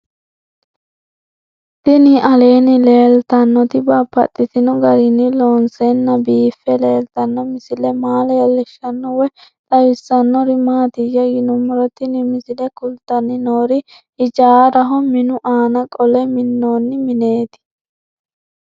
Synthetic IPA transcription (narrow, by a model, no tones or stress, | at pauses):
t̪ɪnɪʔɐle̞ːnɪle̞ːlt̪ɐnːɔt̪ɪbaːpːɐ̰t̪ʼːɪt̪ɪnʊɡɐɾɪnːɪloːnsɛnːɐbiːfːɛle̞ːlt̪ɐnːɔmɪsɪlɛmaːlɛjɛlɛʃːɐnːɔwɛt̪ʼɐwɪsːɐnːɔɾɪmaːt̪ɪjɛɡɪnʊmːɔɾɔt̪ɪnɪmɪsɪlɛkʊlt̪ɐnːɪnoːɾɪ | ʔɪd͡ʒaːɾɐɦɔmɪnʊʔaːnɐkʼɔlɛmɪnːoːnːɪmɪne̞ːt̪ɪ̥